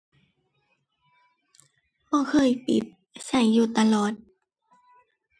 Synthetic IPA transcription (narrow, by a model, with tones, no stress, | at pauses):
ʔɔː˧˥˨kʰɤː˧˥˨jpḭ˨˩˦t̪̚ | sa˧˩jːuː˧˩t̪a˧lɔː˨˩t̪̚